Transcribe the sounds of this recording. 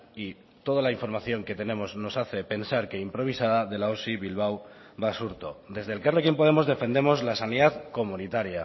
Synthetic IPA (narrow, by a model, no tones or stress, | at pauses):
i | t̪o̞ð̞alaiɱfo̞ɾmaθjo̞ŋke̞t̪e̞ne̞mo̞zno̞saθe̞pe̞nsaɾke̞impɾo̞βisaðaðe̞laosiβilβ̞aw | βasuɾt̪o̞̰d̪e̞zðe̞lkarlokje̞mpoð̞e̞mo̞zðe̞fe̞nd̪e̞mo̞zlasaniðaðko̞mũnit̪aɾja